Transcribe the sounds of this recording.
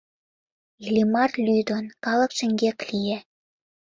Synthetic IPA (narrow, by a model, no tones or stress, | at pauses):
ilʲimɑrlʲyjd̪onkɑlɤ̆kʃə̆ŋɡʲeklʲije